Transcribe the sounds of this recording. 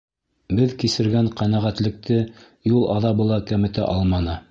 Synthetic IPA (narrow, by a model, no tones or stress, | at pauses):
bɘðkisɘ̆ɾɡæɴqænæʁæt̪lɘ̆k̚t̪ʰɘ | julˠɑðɑbɤ̆lˠɑkæmɘ̆t̪æ̰ʔɑlˠmɑnɤ